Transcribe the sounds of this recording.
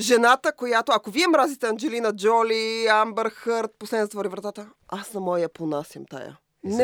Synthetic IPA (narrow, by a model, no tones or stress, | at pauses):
ʒɛnat̪əkojat̪oɐkoviɛmɾazit̪ɛɐnd͡ʒɛlinɐd͡ʒɔliambɛɾxəɾt̪̚poslɛd̪nzt̪vɔɾivɾɐt̪at̪ə | asnɐmɔjjɐponasʲɐmt̪a̰ja̰ | n